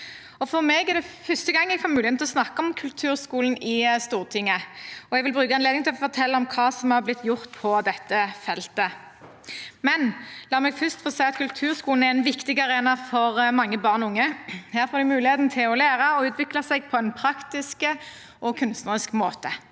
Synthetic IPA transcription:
ɔfɔʁmeːɡæʁd̪ɛfœst̪əɡɑŋːɛɡfɑːmʉːɪɛmt̪ʰlɔsnɑkːəɔmkʰʉlt̪ʰʉːʁskuːln̩ɪst̪uːʁt̪ʰɪŋːəɔɛɡʋɪlbɾʉːkɑneːd̪ɪŋt̪ʰɪlɔfɔʁt̪ʰɛlːəɔmkʰɑːsɔmhɑʁblɪt̪ːjʊʁt̪pʰɔd̪ɛt̪ːəfɛlt̪ə | mɛnlɑːɾmɛɡfʏst̪fɔsæɪɑt̪kʰʉlt̪ʰʉːʁskuːln̩æɛnʋɪkt̪ɪɡɑʁeːnɑfɔʁmɑŋːəbɑʁnʊŋːəhæːɾfoːɾd̪ʉmʉːlɪheːt̪n̩t̪ʰɪlɔlæːʁəɔʉːt̪ʋɪklɑsɛɡ̚pʰɔɛnpʰɾɑkt̪ɪskə | ʔɔkʰʉnst̪nəʁɪskmoːt̪ə

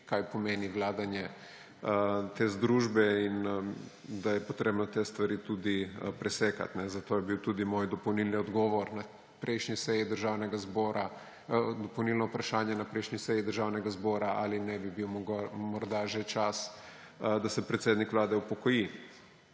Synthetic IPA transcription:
kajpɔmeːniʋlaːd̪anjɛ | t̪ezd̪ɾuːʒbɛin | d̪ajɛpɔt̪ɾeːbnɔt̪eːst̪ʋaɾiːt̪ud̪ipɾɛseːka̰t̪nɛzat̪oːjɛbiwt̪uːd̪imoːjd̪ɔpɐwnilniɔd̪ɡɔːʋɔɾna | pɾɛjʃnisɛjid̪əɾʒaːwnɛɡazbɔːɾʔa | d̪ɔpɐwnilnɔupɾaʃaːnjanapɾɛjʃnisɛjid̪əɾʒaːwnɛɡazbɔːɾaʔa̰linɛbibiwmɡmɔɾd̪aʒet͡ʃas | d̪asɛpɾɛt̪seːd̪nikʋlaːd̪ɛupɔkɔji

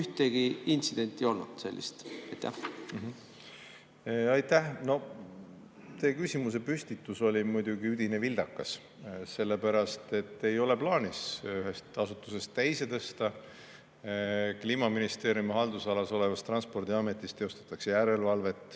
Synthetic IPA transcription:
yht̪eɡ̥iint̪sid̪̥e̞nt̪ːˑijo̞lnud̪̥se̞̰lʲːḭst̪ɑjt̪ːæ̰h | ɑjt̪ːæhno̞ | t̪e̞kysʲimus̬e̞pysʲt̪it̪ːuso̞lʲimujd̪uɡiyd̪̥inevild̪̥ɑkːɑs | se̞lːe̞pæɾɑst̪e̞t̪ːe̞jo̞le̞plɑːnisyɦe̞st̪ɑsut̪ːˑu̥se̞st̪ːæjse̞t̪ɤst̪ɑ | kliːmɑminist̪e̞ːɾijumihɑld̪usɑlɑso̞le̞vɑst̪ːrɑnspo̞rd̪̥iɑme̞t̪ːˑist̪eo̞st̪ɑ̥t̪ːˑɑkse̞jæɾe̞lvɑlve̞t̪ːˑ

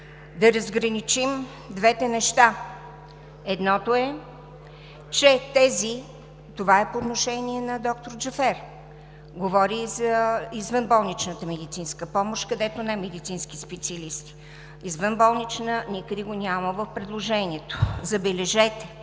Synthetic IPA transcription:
d̪ɐɾəzɡɾənit͡ʃim | d̪vɛt̪ɛnɛʃt̪a | ɛd̪nɔt̪oɛ | t͡ʃɛt̪ɛzi | t̪ovaɛpoːt̪noʃɛniɛnɐd̪ɔk̚t̪oɾd͡ʒɐfɛɾ | ɡovɔɾizɐizvənbɔlˠnit͡ʃnət̪əmɛd̪it̪sinskəpɔmoʃtkɐd̪ɛt̪onɛmɛd̪it̪sinskʲispɛt̪sʲiəlist̪i̥ | izvənbɔlˠnit͡ʃnənʲikəd̪ɛɡonʲaməvəfpɾɛd̪lˠoʒɛniɛt̪o̥zɐbɛlɛʒɛt̪ɛ̥

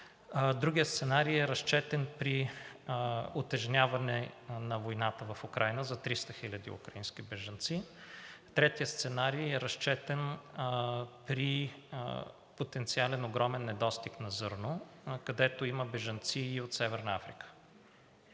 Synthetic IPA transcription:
d̪ɾuɡʲijəst̪sɛnaɾijɛɾɐʃt͡ʃɛt̪ɛnpɾi | ot̪ɛʒnʲavɐnɛnɐvojnat̪əvɐfukɾajnəzɐt̪ɾist̪əxilʲɐd̪ḭṵkɾɐĩnskʲibɛʒɐnt̪sit̪ɾɛt̪ijəst̪sɛnaɾijɛɾɐʃt͡ʃɛt̪ɛn | pɾi | pot̪ɛnt̪sialɛnoɡɾɔmɛnːɛd̪ɔst̪iknɐzɤɾnokɐd̪ɛt̪oiməbɛʒɐnt̪siːot̪sɛvɛɾnɐafɾikə̥

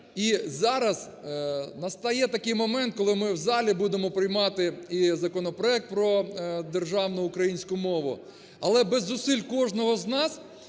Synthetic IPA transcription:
izɑɾɐz | nɐst̪ɐjɛt̪ɐkɪjmɔmɛnt̪̚kɔlˠɪmɪwzɑlʲibud̪emɔpɾɪjmɑt̪ɪizɐkɔnɔpɾɔɛk̚t̪̚pɾɔd̪e̞rʒɑwnʊʊkɾɐjinʲsʲkʊmɔʋʊ̰ | ɐlˠɛbɛzːʊsilʲkɔʒnɔɦɔznɑs

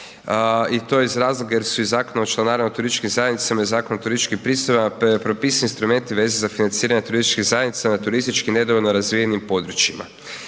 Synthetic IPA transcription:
it̪o̞jizɾaːzlˠoɡajeɾsuizaːkonaot͡ʃlˠanaɾimaot̪uɾist̪t͡ʃʃkimzajd̪nit̪samaizaːkonoot̪uɾist͡ʃkimpɾist̪ojamappɾopisiinst̪ɾume̞nt̪iʋe̞zezafinant̪siːɾaɲet̪uɾist̪i̥t͡ʃkiɣzajed̪nit̪sanat̪uɾist̪it͡ʃkine̞d̪oʋolnoɾazʋijenimpo̞d̪ɾut͡ʃima̰

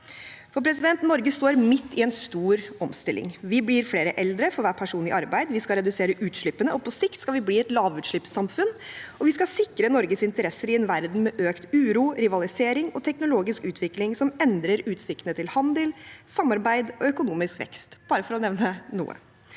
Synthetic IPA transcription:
fɔɾpʰɾɛs̬ɪd̪ɛnt̪nɔɾɡəst̪oːɾmɪt̪ːɪɛnst̪uːɾɔmst̪ɪlʔɪ̰ŋʋɪblɪɾfleːɾəʔɛld̪ɾəfɔɾʋæːpʰæʂuːnlɪ̰ʔɑɾbæɪd̪ʋɪskɑɾɛd̪ʉseːɾəʔʉːt̪ʂɭʏpːənəʔɔpʰɔsɪkt̪skɑlʋɪbliːɛt̪lɑːʋʉːt̪ʂɭʏpsɑmfʉnɔʋɪskɑsɪkɾənɔɾɡəsɪnt̪əɾɛsːəɾɪɛnʋæɾd̪n̩mɛʔøːkt̪ʉːɾuːɾɪʋɑlɪseːɾɪŋɔt̪ʰɛknʊloːɡɪskʉːt̪ʰʋɪklɪŋsɔmɛnd̪ɾəɾʉːt̪sɪkt̪ənət̪ʰɪlhɑnd̪əlsɑmːɑɾbæɪd̪ɔœkʊnuːmɪskʋɛ̰kst̪b̥ɑːɾəfɔɾɔnɛʋnənṵːə̰

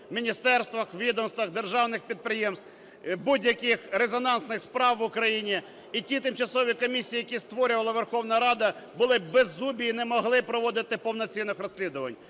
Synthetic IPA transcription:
mʲinʲist̪ɛrst̪ʋɐxʋʲid̪ɔmst̪ʋɐxd̪erʒɑwnɪxpʲid̪̚pɾɪjemst̪ | budʲjɐkɪxɾezɔnɑnsnɪxspɾɑwʋʊkɾɐjinʲiː | tʲit̪ɪmt͡ʃɐsɔʋʲikɔmʲisʲijːjɐkʲist̪ʋɔɾʲʊʋɐlˠɐʋerxɔwnɐɾɑd̪ɐ | bʊlˠɪbɛzːubʲijinɛmɔɦlˠɪpɾɔʋɔd̪ɪt̪ɪpɔwnɔt͡sʲinːɪxrɔsʲlʲid̪ʊʋɐ̰nʲ

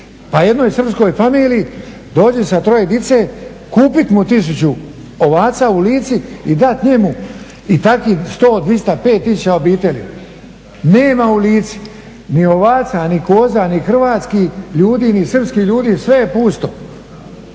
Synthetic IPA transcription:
paje̞d̪nojsr̩psko̞jfamiːliː | d̪o̞ːd͡ʑesat̪ɾo̞jed̪it̪se | kuːpit̪mut̪is̬ut͡ɕu | oʋaːt̪sauliːt̪siid̪at̪ɲemu | it̪akist̪o̞ːd̪ʋist̪ape̞ːt̪ːisut͡ɕaobiːt̪e̞lʲḭ | ne̞ːmauliːt̪si̥ | nio̞ʋaːt̪sanikoːzanixr̩ʋaːt̪skiʎuːd̪iːnisr̩pskiʎuːd̪iːsʋe̞jepuːst̪o̞

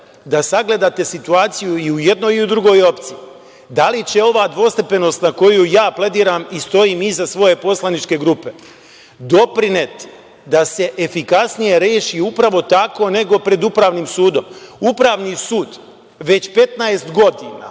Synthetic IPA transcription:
d̪asaɡle̞d̪at̪e̞sit̪uaːt̪sijuiuje̞d̪nojiud̪ɾuɡo̞ːjo̞pt̪siji | d̪alit͡ɕe̞o̞ʋaːd̪ʋo̞st̪e̞pe̞nost̪nako̞jujaːple̞d̪iːɾamist̪o̞iːmizasʋo̞je̞po̞slˠanit͡ʃke̞ɡɾupe̞ | d̪o̞pɾine̞t̪i̥ | d̪ase̞ʔefikasnije̞ɾeːʃiupɾaʋo̞t̪ako̞ne̞ɡo̞pɾe̞d̪upɾaːʋnimsuːd̪o̞mupɾaːʋnisuːd̪ | ʋe̞t͡ɕpe̞t̪naest̪ɡo̞d̪ina̰ː

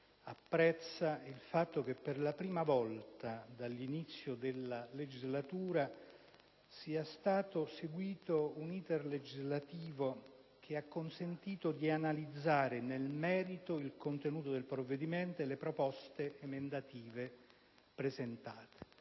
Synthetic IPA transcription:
apːɾɛt̪sːailfat̪ːok̟epːerlapɾiːmavɔlt̪ad̪alːinit̪sːjod̪elːaled͡ʒizlat̪uːɾa | siːast̪aːt̪oseɡwiːt̪ouniːt̪erled͡ʒizlat̪iːvo | k̟ʰeakːonsent̪iːt̪od̪ianalid̪zːaːɾenelmɛːɾit̪oilkont̪enuːt̪od̪elpɾovːed̪imɛnt̪olepɾopɔst̪eemend̪at̪iːve | pɾezent̪aːt̪e̥

